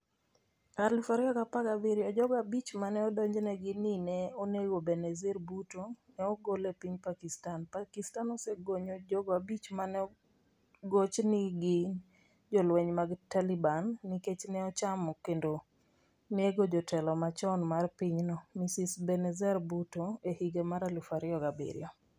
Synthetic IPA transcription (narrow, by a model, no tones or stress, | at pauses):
arlifaɾiakapakabiɾiɔd͡ʒɔɡabit͡ʃmanɛɔdɔɲd͡ʒnɛɡɪninɛoneɡobɛnɛzɛɾbutonɛɔɡolɛpiɲpakistanpakistanɔsɛɡoɲod͡ʒɔɡabit͡ʃmanɛɔ | ɡot͡ʃnɪɡɪ | d͡ʒɔlwɛɲmaɡtalibanːiket͡ʃnɛɔt͡ʃamɔkendo | neɡod͡ʒɔtɛlɔmat͡ʃɔnmarpiɲnɔmisisbɛnɛzɛɾbutoehiɡemaɾalufaɾjɔɡabḭɾɪ̰ɔ